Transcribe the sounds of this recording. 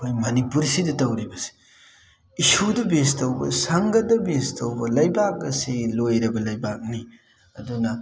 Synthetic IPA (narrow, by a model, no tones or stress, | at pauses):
ojmɐnipuɾsidɐtɐwɾibɐse̥ | isudɐbestɐwbɐ̰sɐŋɡɐdɐbestʰɐwbɐlɐjbak̚ɡɐselojɾɐbɐlɐjbak̚ni | ɐdunɐ